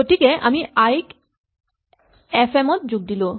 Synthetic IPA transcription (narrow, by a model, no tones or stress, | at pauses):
oʈikeʔamiajk | efemot̪̚d͡ʑuɡ̚d̪ilo